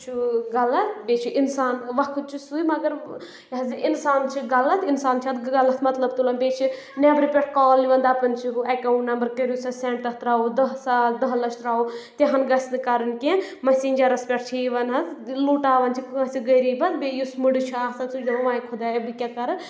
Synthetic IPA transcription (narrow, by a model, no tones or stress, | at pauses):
t͡ʃʰuɡɐlɐt̪beːt͡ʃʰiʔinsaːnʋɐkʰɨt͡ʃʰisuimɐɡɐɾ | ɐziʔinsaːnt͡ʃʰiɡɐlɐt̪insaːnt͡ʃʰɐt̪ɡɐlɐt̪mɐt̪lɐbt̪ulɐnbeːt͡ʃʰi | nɛːbɾipʲeʈ̚ʰkɔːlːiʋɐnd̪apɐnt͡ʃʰiɦuɐkɐw̃ʈnɐmbəɾkɐɾjusɐsɛ̃ːɳʈt̪ɐt̪ɾaːod̪ɐɦsaːd̪ɐɦlɐʃɾaːot̪eɦɐnɡɐsnɨkaɾɐnkẽmɐsiːnʲd͡ʒɐɾɐspʲɛʈ̚t͡ʃʰiʋɐnɦɐt̪luːʈaːʋɐnt͡ʃʰikʰɐsiɡɐjɾiːbɐt̪beːjusmuɖit͡ʃʰaːsɐnt͡sud͡ʒɐʋãːjikʰud̪aːbikʲakɐɾɐ